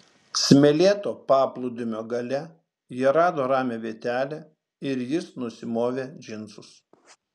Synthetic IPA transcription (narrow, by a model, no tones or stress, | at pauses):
sʲmʲɛlʲeːt̪oːpɑːplˠʊd̪ʲʊmʲoːɡɐlʲɛ | jiɛɾɑːd̪oːɾɑːmʲeːʋʲeːt̪ʲæːlʲɛ | ɪɾjɪsnʊsʲɪmoːʋʲeːd͡ʒʲɪnt̪sʊs